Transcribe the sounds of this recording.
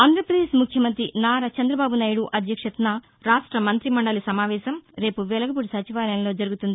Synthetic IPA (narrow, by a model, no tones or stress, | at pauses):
aːnd̪ɾɐpɾɐd̪eːʃmukʰjɐmɐnt̪ɾinaːɾɐt͡ʃɐnd̪ɾɐbaːbunaːjuɽuʔɐd̪ʱjɐkʂɐt̪naː | ɾaːʂʈɾɐmɐnt̪ɾimɐɳɖɐlusɐmaːʋɛːʃɐmɾe̞ːpuʋɛlɐɡɐpuɽisɐt͡ʃiʋaːɾɐjɐnlo̞ːd͡ʒɐɾuɡut̪und̪i